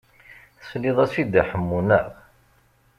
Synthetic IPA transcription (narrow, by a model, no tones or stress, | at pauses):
θəsliðˤæsid̪æħəmːunæʁ